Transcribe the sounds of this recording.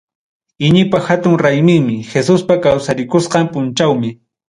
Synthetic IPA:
ɪɲɪpaxat̪ʊŋɾajmɪŋmɪxesʊspakawsaɾɪkʊsqɑmpʊnt͡ʃawmɪ

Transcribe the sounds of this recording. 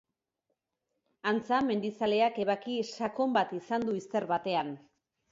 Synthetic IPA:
ant͡same̞nd̪isale̞ake̞β̞akisako̞mbat̪isand̪uist̪e̞ɾβat̪e̞an

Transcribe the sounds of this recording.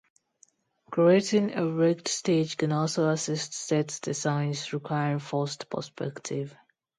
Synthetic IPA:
kʰɹietɪ̃ŋəɹɛktsted͡ʒkə̃nɔlsoasɪstsɛtdəsãɪ̃nsɹikʰwaɪəɹɪ̃ŋfɔstpʰə̰spɛ̰ktʰɪv̥

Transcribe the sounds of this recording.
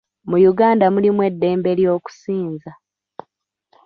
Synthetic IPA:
mujuɡaːndamulimwe̞dːe̞ːmbe̞ljo̞ːku̥siːnza

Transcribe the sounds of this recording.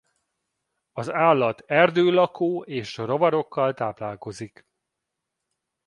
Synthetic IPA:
ɒzaːlːɒt̪ɛrd̪øːlɒkʰoːeːʃro̞vɒɾo̞kːɒlt̪aːplaːlko̞zik

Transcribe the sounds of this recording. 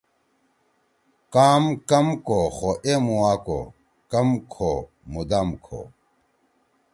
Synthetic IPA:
kaːmkɐmkoxoʔemuwaːko̰ | kɐmkʰo | mud̪amkʰo̰

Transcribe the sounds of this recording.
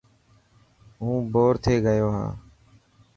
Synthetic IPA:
ɦũːboːɾt̪ʰeːɡəjoːɦã̰ː

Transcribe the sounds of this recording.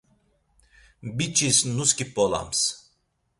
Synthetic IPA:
bit͡ʃʰisnuskipɔla̰ms

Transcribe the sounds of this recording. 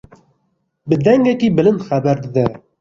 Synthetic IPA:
bɨd̪ɛŋɡɛkiːbɨlɨnd̪xɛbɛɾd̪ɨd̪ɛ

